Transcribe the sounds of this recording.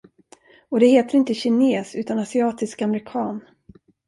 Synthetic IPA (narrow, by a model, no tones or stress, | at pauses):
ɔd̪ɛheːt̪əɾɪnt̪əɕɪneːsʉ̟ːt̪anasɪɑːt̪ɪskamɛɾɪkʰɑːn